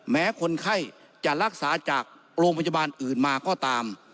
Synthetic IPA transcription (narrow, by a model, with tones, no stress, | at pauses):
mɛː˦˥kʰo˧nkʰa˥˩j | t͡ɕa˨˩ɾa˧˥˩k̚saː˩˦t͡ɕaː˨˩k̚ | ɾoː˧ŋpʰa˧ja˧baː˧nʔɯː˨˩nmaː˧kɔː˧˥˩t̪aː˧m